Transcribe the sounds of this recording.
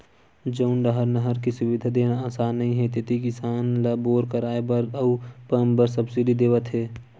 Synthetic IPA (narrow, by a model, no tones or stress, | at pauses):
d͡ʒəːʊnɖəɦəɾnəɦəɾkisʊʋɪd̪ʱad̪eːnaaːsaːnːɐɦĩɦɛt̪ɪt̪ikɪsaːnlɐboːɾkəɾaːebəɾɐupəmbəɾsəbsiɖʱid̪eːʋət̪ɦeː